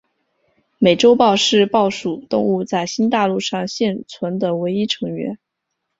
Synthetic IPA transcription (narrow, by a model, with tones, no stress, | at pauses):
me˨˩ɪʈ͡ʂo˥ʊpɑ˥˧ʊʂɻ̩˥˧pɑ˥˩ʊʂu˨˩t̪ʊ˥˧ŋu˥˧t͡sa˥˩ɪɕi˥nt̪a˥˧lu˥˧ʂɑ˥˧ŋɕjɛ˥˩nt͡sʰwə˧˥nd̪ə˨we˧˥ɪi˥ʈ͡ʂʰɤ˧˥ŋɥɛ̰˧˥n